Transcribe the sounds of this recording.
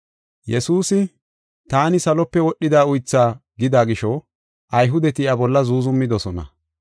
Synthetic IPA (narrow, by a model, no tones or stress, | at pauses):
jɛsuːsɪ | t̪aːnɪsɐlɔpːɛwɔɗːɪd̪aːʊjt͡sːaːɡɪd̪aːɡɪʃɔ | ʔɐjɦʊd̪ɛt̪ɪɐbɔlːɐzuːzʊmːɪd̪ɔsɔnɐ̰